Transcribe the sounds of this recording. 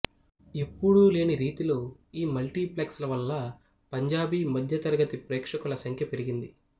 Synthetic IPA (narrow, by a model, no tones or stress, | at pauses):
ipːuɽule̞ːniɾiːt̪ilo̞ːiːmɐlʈiːpleːkslɐʋɐlːɐ | pɐɲd͡ʒaːbimɐd̪ʱjɐt̪ɐɾɐɡɐt̪ipɾɛːkʂɐkulɐsɐŋkʰjɐpe̞ɾiɡind̪i